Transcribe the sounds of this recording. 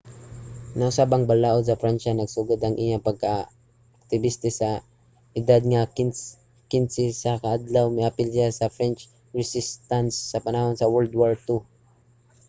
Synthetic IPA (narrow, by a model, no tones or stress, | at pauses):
nɐʔʊsaːbɐŋbalaːʔod̪̚sɐfɾanʃanɐɡsʊɡʊd̪ɐŋʔɪjapɐɡ̚kaː | k̚t̪ɪbɪst̪ɪsɐ | ʔɪd̪ad̪̚ŋa | kɪnsɪsɐkɐʔad̪lawmɪʔapɪlsɪjasɐfɾɛnt͡ʃ | ɹɛsɪst̪ansːɐpanahonsɐwɛld̪waɹt̪u